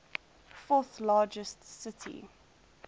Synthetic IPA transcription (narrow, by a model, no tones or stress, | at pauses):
fɔˑθlɑːd͡ʒəstsɪtʰḭ